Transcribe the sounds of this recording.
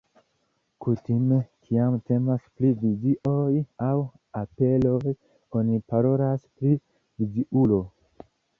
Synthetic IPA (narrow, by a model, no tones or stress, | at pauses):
kutime̞kʰiamte̞masplivid͡ʒiʔojaw | ape̞loj | o̞nipaɾo̞laspɾi | vid͡ʒiʔulo̞